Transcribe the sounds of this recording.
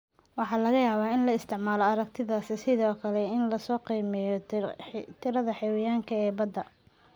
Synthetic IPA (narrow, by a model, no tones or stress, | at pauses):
wɑħɑːlɐɣɐjaːβaːɪnlɐɪst̪ʰɪʕmaːlɔɐɾɐɡ̚t̪ʰɪðaːsɪsɪðɔːkʰɐlɛɪnlɐsɔːqiːmɛjɔ | t̪ʰɪɾɐðɐħɛwɪjaːŋkʰɐɛːbɐd̪ːɐ